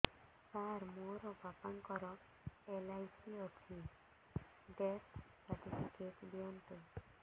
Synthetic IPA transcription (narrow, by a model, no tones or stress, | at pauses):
t̪aɾmoɾɔbʱapaŋkɔɾɔ | elajsiɔtʰi | ɖet̪ʰ | paʈisikeʈbiɔnt̪u